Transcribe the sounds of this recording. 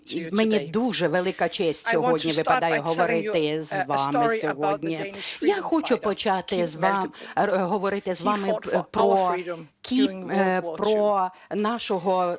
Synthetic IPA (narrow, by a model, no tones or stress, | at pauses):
menʲid̪uʒɛʋelˠɪkɐt͡ʃɛsʲtʲsʲɔɦɔdʲnʲiʋɪpɐd̪ɑjɛɦɔʋɔɾɪt̪ɪzʋɑmɪsʲɔɦɔdʲnʲijaxɔt͡ʃʊpɔt͡ʃɑt̪ɪzʋɑmɦɔʋɔɾɪt̪ɪzʋɑmɪpɾɔkʲippɾɔ | nɑʃɔɦɔ